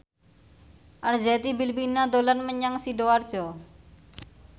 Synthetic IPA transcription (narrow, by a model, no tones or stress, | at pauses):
ʔarzɛt̪ibilpinad̪olanməɲaŋsidoard̥ʒ̥ɔ